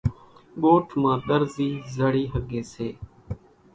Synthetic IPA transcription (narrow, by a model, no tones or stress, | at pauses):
ɠoːʈʰmãːt̪əɾziːzəɽiːɦəɡeːseː